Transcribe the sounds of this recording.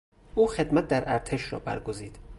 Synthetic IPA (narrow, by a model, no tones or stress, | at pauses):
ʔuːxed̪mæt̪̚d̪æɾʔæɾt̪ʰeʃɾɒ̰ːbæ̰ɾɡoziːd̪̥